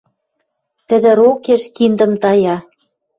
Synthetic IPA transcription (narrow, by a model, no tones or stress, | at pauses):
t̪ɘ̆ðɘ̆ɾokeʃkind̪ɤ̆mt̪ɑjɑ